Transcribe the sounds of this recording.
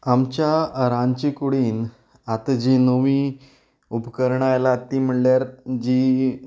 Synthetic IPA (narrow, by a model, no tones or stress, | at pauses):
amt͡ɕjaəɾãɲt͡ɕikuɽiːn | at̪d͡ʑinoʋiː | upkəɾɳaːjlat̪ːiːm̤əɽljaɾd͡ʑi